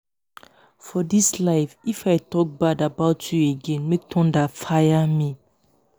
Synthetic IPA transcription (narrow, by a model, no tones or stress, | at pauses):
fɔdislaɪfifaɪtɔk̚badabaʊtʰjueɡɛ̃nmek̚tʰɔ̃ndafajami